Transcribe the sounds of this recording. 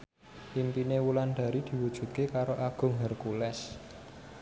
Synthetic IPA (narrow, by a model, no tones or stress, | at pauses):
impinewulanɖ̪̥a̤ɾid̪̥i̤wud̥ʒ̥ṳt̪̚kekaɾoʔaɡ̥ʊ̤ŋɦərkulɛs